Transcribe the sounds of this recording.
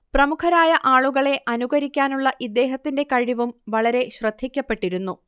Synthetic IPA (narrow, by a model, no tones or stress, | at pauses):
prɐmukʰɐɾaːjɐʔaːɭuɣɐɭe̞ʔɐnuɣɐɾikʲːaːnuɭːɐʔid̪ːe̞ːɦɐt̪ːinde̞kɐɻiʋumʋɐɭɐɾe̞ɕrɐd̪ʱːikʲːɐpːe̞ʈːiɾunːu